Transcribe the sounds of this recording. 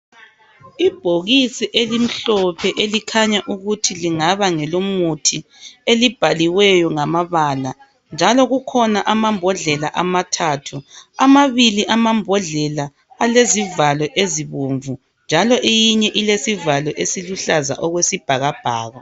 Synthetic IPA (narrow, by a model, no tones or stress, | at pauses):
ib̥ʱoɣisiʔelim̩ɬɔpʰɛʔelikʰaɲaʔuɣutʰiliŋaβaŋɛlomutʰi | elib̥ʱaliwɛjɔŋamaβaːla | nd͡ʒʱalɔɣukʰɔnaʔamambʱɔɮɛlaʔamatʰaːtʰuamaβiliʔamambʱɔɮɛla | alezivalɔʔeziβoɱvu | nd͡ʒʱalɔʔejiɲɛʔilesivalɔʔesiluɬaza̰ʔɔɣwesib̥ʱaɣab̥ʱa̰ːɣa